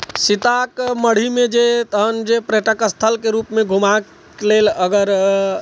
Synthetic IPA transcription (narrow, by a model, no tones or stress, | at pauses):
sit̪akməɽ̤imed͡ʒet̪əɦənd͡ʒepɾeʈəkəst̪ʰəlkeɾupmeɡʱuma | leləɡəɾ